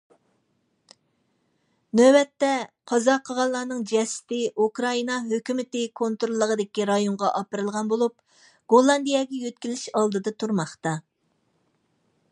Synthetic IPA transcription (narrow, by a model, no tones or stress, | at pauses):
nøbɛt̪ːɛqʰɑzɑqʰːəʁɑlˠːɑːnɨŋd͡ʒɛsɪ̥t̪ɪʔukɾɑinɑɦøkʲymɪt̪ɪkʰont̪ɾolˠːəʁəd̪ɪkʲiɾɑjoɴʁɑʔɑpəɾɨlˠʁɑnbolˠup̚ | ɡ̥olˠːɑnd̪ijɑɡʲɛjøt̪kʲilɪʃɑlˠd̪ɨd̪ɑt̪ʰuɾmɑχt̪ɑ